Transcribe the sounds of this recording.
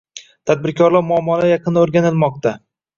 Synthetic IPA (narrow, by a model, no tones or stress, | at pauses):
t̪ʰad̪̚bɪɾkʲʰɒɾlˠaɾmʊɒmːɒɾajɑqʰɨnaoɾɡʲanɪlmɒq̚t̪ʰa